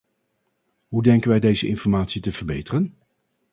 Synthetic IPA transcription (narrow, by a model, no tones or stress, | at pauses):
ɦudɛŋkənʋɛjdejzəʔɪnfɔɹmaːtsitəv̥əɹbejtərən